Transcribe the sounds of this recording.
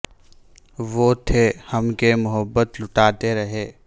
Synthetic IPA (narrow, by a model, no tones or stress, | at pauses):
ʋoːt̪ʰehɐmkemʊɦəbːət̪lʊʈaːt̪eɾɐɦeː